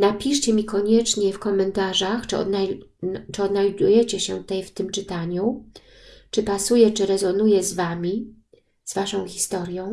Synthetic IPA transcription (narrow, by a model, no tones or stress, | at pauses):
napʲiʂt͡ɕɛmʲikɔɲɛt͡ʂɲɛfkɔmɛnt̪aʐaxt͡ʂɔ̰nat͡ʂɘɔd̪najd̪ujɛt͡ɕɛɕɛt̪ɛjft̪ɘmt͡ʂɘt̪aɲu | t͡ʂɘpasujɛt͡ʂɘɾɛzɔnujɛzvamʲi | z̥vaʂɔ̃w̃xʲist̪ɔɾjɔ̃w̃